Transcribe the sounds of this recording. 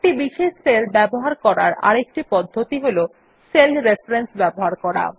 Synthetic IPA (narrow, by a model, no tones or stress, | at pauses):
ʈibiʃeʃselbɛboɦaɾkɔɾa̰ɾa̰ɾek̚ʈipɔd̪ʱːot̪iɦolo | selɾefɾensbɛboɦaɾkɔɾa̰